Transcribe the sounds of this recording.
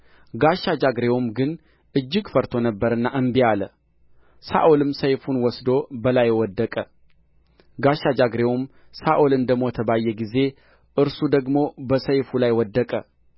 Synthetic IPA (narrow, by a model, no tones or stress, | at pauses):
ɡaʃːad͡ʒaɡɾe̞wumɡɨn | ʔɨd͡ʒːɪɡfəɾt̪ʰonəbːəɾɨnːaʔɨmbijalə | sa̰ʔolɨmsəjfunwɔsd̪o̞bəlajwɔd̪ːəkʼə | ɡaʃːad͡ʒaɡɾe̞wum | saʔolɨnd̪əmot̪ʰəbajːɛɡize̞ | ʔɨɾsud̪əɡmo̞bəsəjfulajwɔd̪ːəkʼə